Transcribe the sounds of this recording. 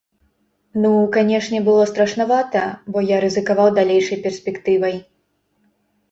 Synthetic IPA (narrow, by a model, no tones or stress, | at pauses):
nukanʲɛʂnʲɛbɨlˠɔst̪ɾɐʂnavat̪ɐbɔjaɾɨzɨkavawd̪alʲejʂɐjpʲɛrsʲpʲɛkt̪ɨvɐj